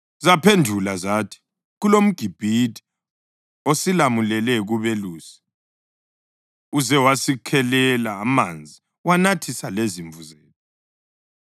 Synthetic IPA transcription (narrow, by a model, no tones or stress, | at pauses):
zapʰendʱulazatʰi̥ | ɣulom̩ɡ̥ʱib̥ʱitʰʼi̥ | osilamulɛlɛɣuβeluːsi̥ | uzɛwasikʰɛlɛlaːmand͡zʱi | wanatʰisaleziɱvuzeːtʰɔ